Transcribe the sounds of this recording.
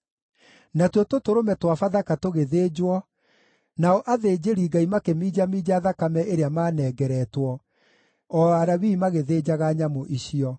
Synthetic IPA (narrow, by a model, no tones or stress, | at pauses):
natwɔtotoɾomɛtwafaðakatoɣeðeːd͡ʑwɔ | naɔʔaðeːd͡ʑeɾiːɡaimakemiːd͡ʑamiːd͡ʑaðakamɛʔeɾeamaːnɛːɡɛɾɛtwɔ | ɔaɾaβiːmaɣeðeːd͡ʑaɣaɲamoʔiɕiɔ